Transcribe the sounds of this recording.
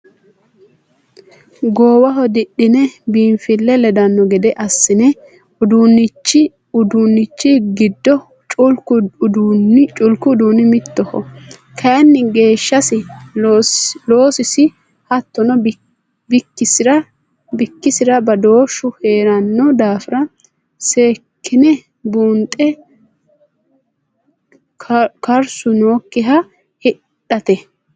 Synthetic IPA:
ɡoːwɐɦɔd̪ɪɗːɪnɛbiːnfɪlːɛlɛd̪ɐnːɔɡɛd̪ɛʔɐsːɪnɛ | ʊd̪uːnːɪt͡ʃːɪ | ʊd̪unːɪt͡ʃːɪɡɪd̪ːɔ | t͡ʃʼʊlkʊd̪nt͡ʃʼʊlkʊd̪uːnɪmɪt̪ːɔhɔ̰kʰɐjnːɪɡe̞ːʃːɐsɪ | lo̞ːsɪsɪ | hɐt̪ːɔnɔ | bɪkːɪsɪɾɐ | bɪkːɪsɪɾɐbɐd̪o̞ːʃʊheːɾɐnːɔd̪aːfɪɾɐ | seːkʰːɪnɛ | buːnt̪ʼɛ | kɐɾsʊno̞ːkːɪɦɐ | hɪ | ᶑɐt̪ɛ

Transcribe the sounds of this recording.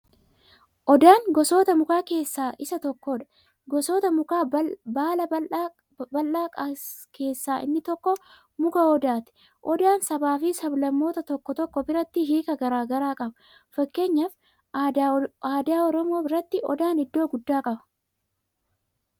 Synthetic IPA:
ʔɔd̪aːŋɡɔso̞ːt̪ɐmʊkaːke̞ːsːaːʔɪsɐt̪ɔkːoːᶑɐ̥ | ɡɔsoːt̪ɐmʊkaːbaːlɐ | bɐlʔaːkʼɐ | kʰe̞ːsːaːʔɪ̰nːɪt̪ɔkːɔ | mʊkɐɔd̪aːt̪ɛ̥ | ʔɔd̪aːnsɐbaːfisɐblɐmːo̞ːt̪ɐt̪ɔkːɔt̪ɔkːɔbɪɾɐt̪ːɪɦiːkɐɡɐɾaːɡɐɾaːkʼɐbɐ̥ | fɐkːe̞ːɲːɐf | aːd̪aːɔɾɔmo̞ːbɪɾɐt̪ːɪɔ̰d̪aːnɪd̪ːoːɡʊd̪ːaːkʼɐbɐ̥

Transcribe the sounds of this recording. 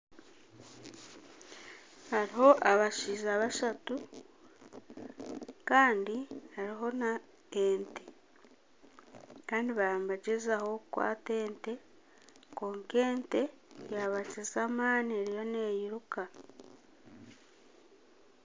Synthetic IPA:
haɾiɦo̞ʔaβaʃizaβaʃatu | kaːndihaɾiɦo̞na | eːnte | kaːndiβambaɟezaho̞kwa̰ːte̞ːnte̞ | ko̞ːŋke̞ːnte̞jaβacizamaːnieɾijo̞ne̞jiɾuka

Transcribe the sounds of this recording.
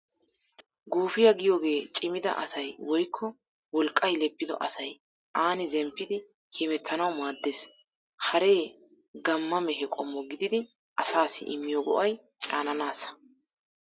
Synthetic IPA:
ɡuːfɪjɐɡɪjoːɡe̞ːt͡ʃʼɪmɪd̪ɐ̰ʔɐ̰sɐjwɔjkʰːɔ | wɔlkʼːɐjlɛpːɪd̪ɔ̰ʔɐsɐj | ʔaːnɪzɛmpːɪd̪ɪ | kʰiːmɛt̪ʰːɐnɐwmaːd̪ːeːs | hɐɾe̞ː | ɡɐmːɐmɛɦɛkʼɔmːɔɡɪd̪ɪd̪ɪ | ʔɐsaːsɪ̰ʔɪmːɪjɔɡɔ̰ʔɐj | t͡ʃʼaːnɐnaːsɐ̥

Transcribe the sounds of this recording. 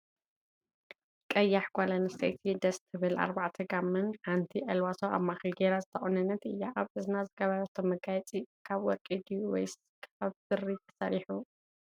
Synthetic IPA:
kʼɐjːaħɡ̥ʷalɐnsɐ̰jt̪ʰid̪ɐst̪ʰɨβɨla̰ɾbaʕt̪ʰɨɡamːɨnħant̪ʰiʔɐlwasoa̰βmaxɨlɡeɾazɨt̪ʰɐχʼonɨnːɐt̪ɨjːaʔaβɨzɨnazɨɡɐβɐɾɐt̪ʰomːɨɡajɛt͡sʼikʰaβwɔkʼid̪iwɔjs | kʰaβsɨrit̪ʰɐ̥sɐ̰ɾiħu

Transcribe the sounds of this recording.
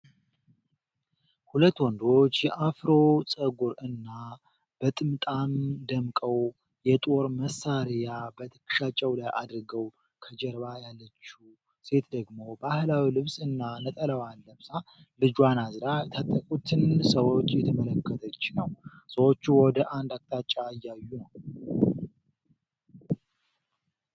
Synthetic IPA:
hulət̪ːwɔnd̪o̞t͡ʃːjɛʔafɾo̞t͡sʼəɡuɾɨnːa | b̥ət̪ʼɨmt̪ʼand̪əmkʼəw | jɛt̪ʼo̞ɾməsːaɾijabət̪ʰɨ̥kːʃat͡ʃʼːɛwlajʔa̰d̪ɾɡəw | kʰəd͡ʒəɾβajalːət͡ʃːu | se̞t̪d̪əɡmo̞bahɨlawilɨβsʼɨnːanət̪ʼələwanːəβsa | lɨd͡ʒwanazɾat̪ʰat̪ʼːəkʼut̪ʰɨnsəwo̞t͡ʃːjɛt̪ʰəmələkːət̪ʰət͡ʃːnəwsəwo̞t͡ʃːuwɔd̪əʔand̪ak̚ʼt̪ʼat͡ʃʼːaɨjːajːunəw

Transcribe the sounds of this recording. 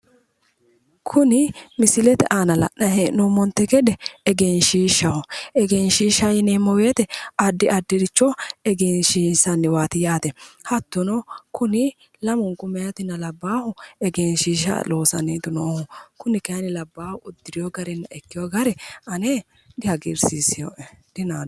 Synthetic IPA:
kʰʊnɪmɪsɪlɛt̪ɛ̰ʔaːnɐlɐ̰ʔnɐɦenʊmɔnt̪ːɛkɛd̪ɛɛɡenʃiːʃɐhʊɛɡɛnʃiːʃɐjɪnemɔweːt̪ɛɐd̪ːɪʔɐd̪ːɪɾɪt͡ʃːɔɛɡeːnʃiːsɐnːɪwaːt̪ɪjaːt̪ɛhɐt̪ːʊnɔkʊnɪ | lɐmʊŋkʊmɛjɐt̪ɪnːɐlɐbːaːhʊɛɡeːnʃiːʃɐ̰lo̞ːsɐ̰nːiːt̪ʊnoːhʊkʊnɪkɐnɪlɐbːaːhʊʊd̪ːɪɾɪjoɡɐɾɛnːɐɛkːɪjoɡɐɾɛɐne | d̪ɪhɐɡɪɾsisɪjod̪̥ɪnaː

